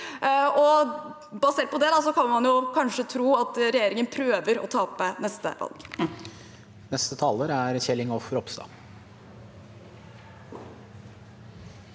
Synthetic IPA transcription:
ɔ | bɑseːɾ̚pɔd̪ɛd̪ɑsɔkʰɑnmɑnjʊkʰɑnʂət̪ʰɾuːɑt̪ɾɛjeːɾɪŋənpʰɾøːʋəɾɔ̰t̪ʰɑːpənɛst̪ə̰ʋɑ̰lɡ̥ | nɛst̪ət̪ʰɑːləɾæɾçɛlːɪŋɔfəɾɔpst̪ɑ̰ː

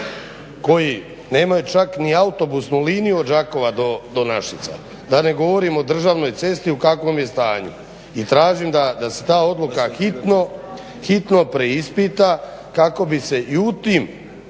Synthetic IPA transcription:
ko̞ji | ne̞ːmajut͡ʃakniaut̪o̞busnuliːnijuo̞d̪d͡ʒako̞ʋad̪o̞d̪o̞naʃit̪sa̰ | d̪ane̞ɡo̞ʋo̞ɾiːmo̞d̪r̩ʒaːʋno̞jt̪se̞st̪iukakʋo̞mje̞st̪aːɲṵ | it̪ɾaːʒimd̪ad̪ase̞̥t̪aːo̞d̪lˠukaxit̪no | xit̪no̞pɾe̞ispit̪a | kako̞bise̞ʔiut̪iːm

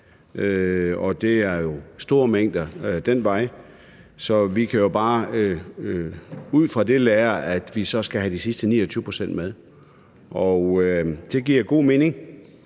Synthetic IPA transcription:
øɒ̽d̥e̝æɐjo̝sd̥o̝ːɐmeŋ̰d̥ɐd̥en̰ʋɑ̈ɪ̰ | sɒ̽ʋikʰæjo̝b̥ɑ̈ː | uð̞̰ˠfʁɑ̈d̥e̝læːɐæd̥ʋisɒ̽sɡ̥æɦæd̥isisd̥ənḭːɒt͡sʰyːʊəpʰʁo̥sen̰d̥með̞ˠ | ʔɒʊød̥e̝ɡ̥iɐ̰ɡ̥o̝̰ːme̝ːne̝ŋ

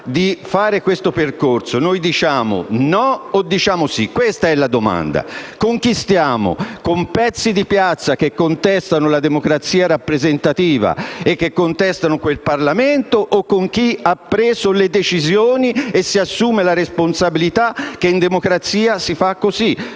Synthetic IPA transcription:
d̪ifaːɾekwest̪operkorsonojd̪it͡ʃaːmo̰nɔod̪ːit͡ʃaːmosikːwest̪aɛlːad̪oma̰nd̪a̰koŋk̟ist̪jaːmo̰kompɛt̪sːid̪ipjat̪sːak̟ekːont̪ɛst̪anolad̪emokɾat̪siːaɾapːɾezent̪at̪iːva̰ekːekːont̪ɛst̪anokwelparlament̪oʔːkːoŋk̟iapːɾɛːzoled̪et͡ʃizjoːniesːiasːuːmelaɾesponsabilit̪ak̟ːeind̪emokɾat̪siːasifakːozi

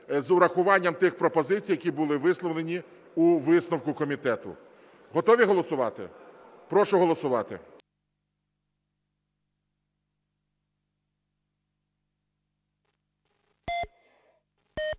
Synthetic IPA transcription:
zʊɾɐxʊʋɑnʲːɐmt̪ɪxpɾɔpɔzɪt͡sʲijːɐkʲibʊlˠɪʋɪslˠɔʋlenʲi | uʋɪsnɔwkʊkɔmʲit̪ɛt̪ʊ̰ | ɦɔt̪ɔʋʲiɦɔlˠɔsʊʋɑt̪ɪ̰ | pɾɔʃʊɦɔlˠɔsʊʋɑt̪ɪ̰

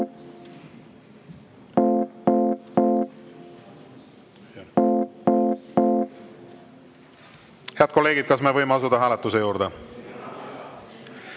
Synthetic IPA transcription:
heɑd̪̥ko̞lːe̞ːɡ̥id̪̚kɑsme̞vɤjmeɑsud̪ɑɦæːlet̪ːˑusejuːɾd̪̥e

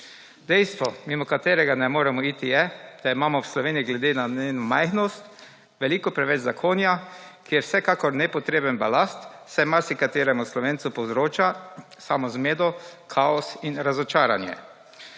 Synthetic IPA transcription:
d̪ɛjst̪ʋɔmimɔkat̪eːɾɛɡanɛmoːɾɛmɔiːt̪ijɛd̪̥aimaːmɔwslɔʋeːnijiɡlɛd̪eːnaneːnɔmajxnɔst̪ | ʋɛlikɔpɾɛʋɛd͡ʒzakʰoːnjakijɛwsɛkakɔɾnɛpɔt̪ɾeːbənbalast̪sɛmaɾsikat̪eːɾɛmuslɔʋeːnt̪supɔwzɾoːt͡ʃa | samɔzmeːd̪ɔkʰaɔsinɾazɔt͡ʃaːɾanjɛ̰

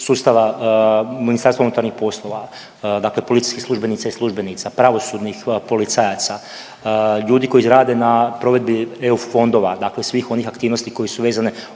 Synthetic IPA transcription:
suːst̪aʋa | minist̪aɾst̪aunut̪aɾnixpo̞slˠo̞ʋa | d̪aːkle̞po̞lit̪i̥jsʲkislˠuʒbenit̪saislˠuʒbenit̪sapɾaʋo̞sud̪nixpo̞lit̪sajat̪sa | ʎuːd̪iko̞jizɾaːd̪e̞napɾo̞ʋe̞d̪̚bieufo̞nd̪o̞ʋad̪aklesʋiːxo̞nixakt̪iːʋnost̪iko̞jesuʋe̞ːzane

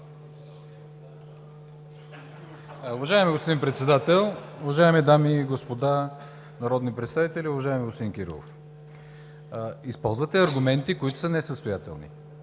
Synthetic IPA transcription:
ʊvɐʒaɛmiɡospod̪inpɾɛt̪sɛd̪at̪ɛlˠʊvɐʒaɛmid̪amiɡospod̪a | nɐɾɔd̪nipɾɛt̪st̪avit̪ɛlʲiʊvɐʒaɛmiɡospod̪inkʲiɾḭlˠo̰f | ispɔlˠzvət̪ɛɐɾɡʊmɛnt̪ikoit̪ʊ̥sənɛsəst̪ojat̪ɛ̰lˠnḭ

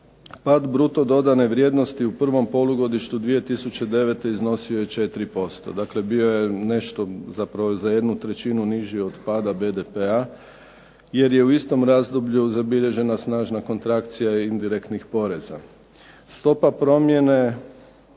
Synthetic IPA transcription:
pad̪bɾut̪o̞d̪o̞d̪ane̞ʋɾje̞d̪no̞st̪iupr̩ʋo̞mpo̞lˠuɡo̞d̪iʃt̪ud̪ʋije̞t̪isut͡ɕe̞d̪e̞ʋet̪e̞izno̞sioje̞t͡ʃe̞t̪ɾipo̞st̪o̞̰d̪akle̞bio̞je̞ne̞ʃt̪o̞zapɾaʋozaje̞d̪nut̪ɾe̞t͡ʃinuniʒieod̪paːd̪abe̞d̪epea | je̞ɾje̞uist̪o̞mɾazd̪obʎuzabiʎe̞ʒe̞nasnaːʒnako̞nt̪ɾakt̪sijaind̪iɾe̞kt̪nixpo̞ɾe̞za̰ | st̪o̞papɾo̞mje̞ne̞

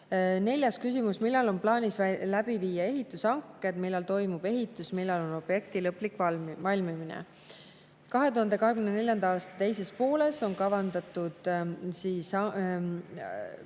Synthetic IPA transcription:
ne̞lʲjɑskysimusmilːɑlo̞nplɑːnʲislæb̥iviːjɑe̞ɦit̪ːˑusɑŋkːˑe̞d̪̥milːɛlt̪o̞jmub̥e̞ɦit̪ːˑusmilːɑlo̞no̞b̥je̞kt̪ilɤpːˑlikˑɑvɑlʲmiminḛ | kɑɦe̞t̪uhɑnd̪e̞kɑɦe̞ɡkymnene̞lʲjɑnd̪̥ɑɑːst̪ɑ̥t̪ejse̞spo̞ːle̞so̞ŋkɑvɑnd̪ɑt̪ːˑud̪̥siːsɑ

